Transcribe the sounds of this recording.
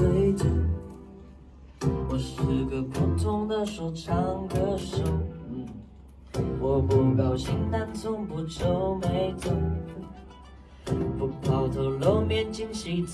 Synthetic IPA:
e˧˥ɪʈ͡ʂə˧˩ | wɔ˧˩ʂɻ̩˧˩ɡə˧pʰu˨˩t̪ʰʊ˥ŋd̪ə˧ʂu˧˥˩ʈ͡ʂʰɑ˧˥ŋɡə˧ʂu˥˧˩ | wɔ˨˧pʊ˧˩ŋkɑ˨˩ʊɕi˥ŋt̪a˥nt͡sʰʊ˥ŋpu˧˥ʈ͡ʂo˥ʊme˧˥ɪt͡so˧˩ŋ | pu˧pʰɑ˨˩ʊt̪ʰo˧˥ʊlo˧˥ʊmjɛ˧˥nt͡ɕi˥ŋɕi˧˥t͡s

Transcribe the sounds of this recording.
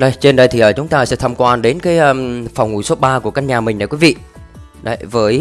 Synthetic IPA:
ɗə˧˩jt͡ɕe˧nɗə˧jt̪i˨˩ʔəː˨˩t͡ɕʊ˨˦ŋ͡mt̪aː˧sɛ̰˧˥t̪ʰaː˧mkwaː˧nɗe˨˦nkaː˨˦jʔəː˧mfa˨˩wŋ͡mŋṵ˧˩˦jso˨˦ɓaː˧ku˧˩əkaː˧ɲaː˨˩mï˨˩ŋ̟ɗa̰˧˩kwi˨˦vḭ˧˨ | ɗə̰˨˧˩vəː˨˦j

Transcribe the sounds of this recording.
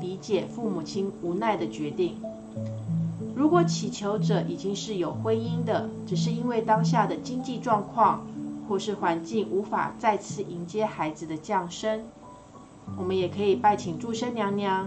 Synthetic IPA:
li˧˥t͡ɕjɛ˨˩fu˥˩mu˨˩t͡ɕʰi˥nu˧˥na˥˩ɪd̪ə˩t͡ɕɥɛ˧˥t̪i˥˩ŋ | ɻu˧˥kwɔ˨˩t͡ɕʰi˨˩t͡ɕʰjo˧˥ʊʈ͡ʂɤ˨˩˦ʔi˨˩t͡ɕi˥ŋʂɻ̩˥˩jo˨˩ʊxwe˥ɪi˥nd̪ə˨ʈ͡ʂɻ̩˨˩ʂ̬ɻ̩˥˧i˥nwe˥˩ɪt̪ɑ˥ŋɕ̬ja˥˩d̪ə˩t͡ɕi˥ŋt͡ɕi˥˧ʈ͡ʂwɑ˥˧ŋkʰwɑ˥˧ŋxwɔ˥˧ʂɻ̩˥˩xwa˧˥nt͡ɕi˥˩ŋu˧˥fa̰˨˩t͡sa˥˧ɪt͡sʰɹ̩˥˩ʔi˧˥nt͡ɕjɛ˥xa˧˥ɪd͡zɹ̩˧d̪ə˨t͡ɕjɑ˥˩ŋʂə˥ŋ | wɔ˨˩mə˦njɛ˨˩kʰɤ˧˥i˨˩pa˥˩ɪt͡ɕʰi˨˩ŋʈ͡ʂu˥˩ʂə˥nnjɑ˧˥ŋnjɑ˧˥

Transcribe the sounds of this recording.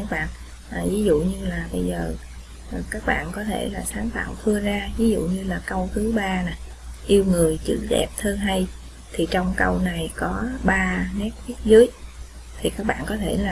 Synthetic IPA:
a˦˥k̚ɓa̰ː˧˨n | ʔvi˨˦zṵ˧˨ɲɨ˧laː˨˩ɓə˧jzəː˨˩˨ | kaː˦˥k̚ɓa̰ː˧˨nkɔ˨˦t̪ʰe˧˩laː˨˩saː˨˦nfa̰ː˧˨wfɨ˧əzaː˧vi˨˦zṵ˧˨ɲɨ˧laː˨˩kə˧wt̪ʰɨ˨˦ɓaː˧na˨˩j | ʔi˧əwŋɨ˨˩əjt͡ɕɨ̰˧˥ɗɛ̰˨˩p̚t̪ʰəː˧nɦa˧j | t̪ʰi˨˩t͡ɕɔ˧wŋ͡mkə˧wna˨˩jkɔ˨˦ɓaː˧nɛ˦˥k̚ɓi˦˥ət̚zɨ˨˦əj | t̪ʰi˨˩kaː˦˥k̚ɓa̰ː˧˨nkɔ˨˦t̪ʰe˧˩laː˨˩

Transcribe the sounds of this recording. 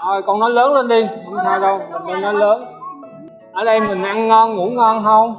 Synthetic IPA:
ʔəː˨˩jkɔ˨˩nɔ˨˦jləː˨˦nlə˧nɗi˧ʊ˧˦taː˧jɗə˧wma˨˩nə˧jnɔ˨˦jləː˨˦n | ʔəː˨˩ɗə˧jmï˨˩ŋ̟ʔa˧ŋŋɔ˧nŋṵ˧˥ŋɔ˧nɦə˧w

